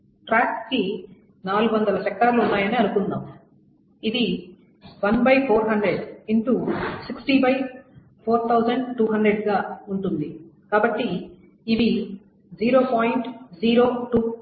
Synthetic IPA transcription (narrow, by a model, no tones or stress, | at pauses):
ʈɾaːkski | naːluɡuʋɐnd̪ɐlɐʃɛk̚ʈaːɾluunːaːjɐniɐnukund̪aːm | id̪i | ʋɐnbʱɐjpʰoːɾɦɐɳɖɾeɖiɳʈusiksʈiːbɐj | pʰoːɾt̪ʰɐwd͡ʒɐɳɖʈːuːɦɐɳɖɾeɖɡaːuɳʈund̪ikaːbɐʈːiː | ʋi | d͡ʒiːɾo̞ːpaːjɳʈd͡ʒiːɾo̞ːʈuː